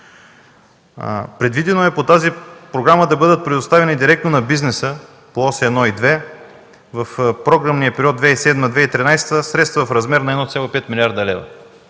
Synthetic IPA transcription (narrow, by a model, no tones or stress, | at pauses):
pɾɛd̪vid̪ɛnoɛpot̪azipɾoɡɾaməd̪ɐbɤd̪ət̪̚pɾɛd̪ost̪avɛnid̪iɾɛk̚t̪nonɐbiznɛsə | poɔsɛɛd̪nɔid̪vɛ | vɐfpɾoɡɾamniəpɛɾʲiɔtd̪d̪vɛisɛd̪məd̪vɛit̪ɾinajst̪əsɾɛt̪st̪vəvɐfɾɐzmɛɾnɐɛd̪nɔt̪sʲalˠoipɛt̪milʲiaɾd̪ɐlɛvɐ̰